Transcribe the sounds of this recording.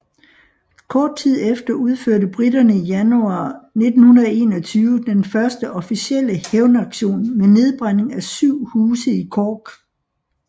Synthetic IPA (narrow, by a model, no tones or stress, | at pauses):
kʰɒːd̥̚t͡sʰið̞̰ˠefd̥ɐuð̞ˠføɐ̰ɾəb̥ʁid̥ɐnəijænuɑ̈ːne̝d̥n̩hunɐe̝ːnɒ̽t͡sʰyːʊəd̥enfɶɐsd̥əʔɒ̽fisiel̰əheʊnɑ̈ɡ̥ɕo̝̰ːnmene̝ð̞ˠb̥ʁan̰e̝ŋæsyʊ̰huːsəikʰɒːɡ̥